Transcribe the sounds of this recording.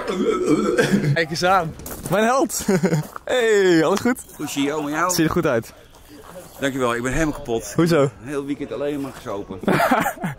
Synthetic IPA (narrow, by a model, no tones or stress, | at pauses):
jkəsaːnmɛjnɦɛlˠt | ʔeɑləsχut | husiowmɛjawsidəχutœɥt | d̥ɑŋkjyʋɛlˠɪɡ̚bɛnɦejlˠmalˠkapɔthuzownɦeːlˠʋikɛntalejnmaːɹχəsowpə